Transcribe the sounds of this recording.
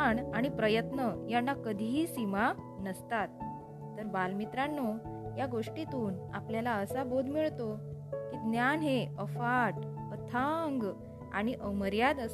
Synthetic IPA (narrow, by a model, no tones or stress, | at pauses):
naɽ̃ipɾəjət̪nəjanːakəd̪ʱiisima | nəst̪at̪ː | əɾbalmit̪ɾanːojaɡoʂʈit̪uːna̰pljalaəsabod̪ʱmiɭt̪okiːd̪njanɦeəfaʈət̪ʰaŋɡ | a̰ɽ̃iʔəməɾjad̪əs